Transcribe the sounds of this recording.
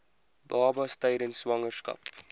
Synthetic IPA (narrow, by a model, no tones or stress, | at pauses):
bɑːbɐstəjɾənsʋɐŋərskɐ̰p